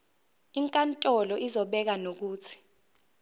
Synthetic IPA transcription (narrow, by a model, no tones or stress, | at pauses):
iŋkʼantʼɔlɔʔizɔɓɛk̬anok̬uːt͡sʰi̥